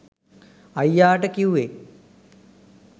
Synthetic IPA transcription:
ajjaːʈəkiuʋe

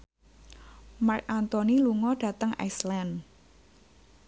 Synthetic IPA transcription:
mark̚ant̪oniluŋɔɖ̥ä̤t̪əŋa̰slan

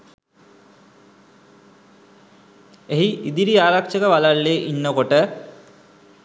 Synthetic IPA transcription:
eɦiʔid̪iɾiaːɾakʃəkəʋalalːeːʔinːəkoʈə

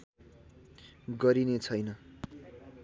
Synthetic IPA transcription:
ɡʌɾinet͡sʰʌjnʌ

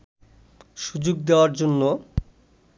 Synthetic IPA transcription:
ʃud͡ʑoɡd̪eoaɾd͡ʑonːo

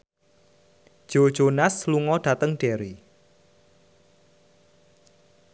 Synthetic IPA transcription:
ʒ̥o̥ʒ̥onasluŋɔɖ̥a̤t̪əŋɖ̥eɾi

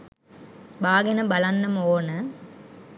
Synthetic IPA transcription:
baːɡɐnɐbɐlɐnːɐmoːnɐ

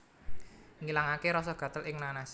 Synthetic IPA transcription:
ŋilaŋakeɾɔsɔɡ̥ä̤t̪əlʔɪŋnanas

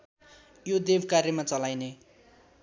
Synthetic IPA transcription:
jod̪ebkarjʌmat͡sʌlajne

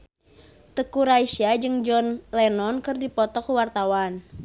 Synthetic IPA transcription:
t̪əkuɾaisad͡ʒɨŋd͡ʒɔnlɛnɔnkɨrdipɔt̪ɔkuwart̪awan

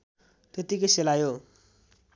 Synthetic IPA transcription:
t̪et̪ikeselajo

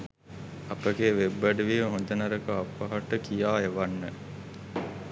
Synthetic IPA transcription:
ɐpəɡeːʋebːəɖəʋiːʋəɦond̪ənɐɾəkəapːɐɦaʈəkijaːeʋanːə

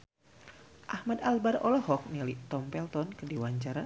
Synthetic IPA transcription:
ʔahmadalbarɔlɔhɔk̚nilit̪ɔmpɛlt̪ɔnkədiwaɲt͡ʃaɾa

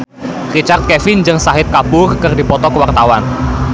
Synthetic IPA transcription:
rit͡ʃart̪̚kɛfɪnd͡ʒɨŋsaɦɪt̪̚kabʊrkərdi̤pɔt̪ɔkəwart̪awan

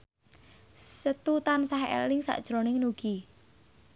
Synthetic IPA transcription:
sət̪ut̪ansaɦḛlɪŋsa̰ʔd̥ʒ̥ɾonɪŋnuɡ̥i

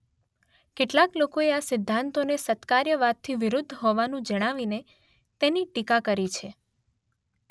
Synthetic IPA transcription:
keʈlaklokoeasɪd̪ʱːant̪onesət̪kaɾjəʋat̪ʰːiʋɪɾʊd̪ʱːɦɔʋanũd͡ʒəɽ̃aʋine | t̪eniʈikakəɾit͡ʃʰe

